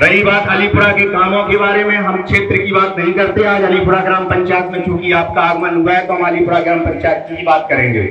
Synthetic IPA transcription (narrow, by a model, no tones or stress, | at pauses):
ɾɐɦĩbaːt̪ɐlipʊɽakekaːmõkebaːɾemẽɦɐmkʃeːt̪ɾəkibaːt̪nɐɦĩkɐɾt̪eɦẽaːd͡ʒɐlipʊɽaɡɾaːmpɐ̃ɲt͡ʃaːjət̪mẽt͡ʃjũːkiaːp̚kaːɡmanʊɡaɛt̪oɦɐmalipʊɽaɡɾaːmpɐ̃ɲt͡ʃaːjt̪̚kiɦibaːt̪̚kɐɾẽːŋɡḛː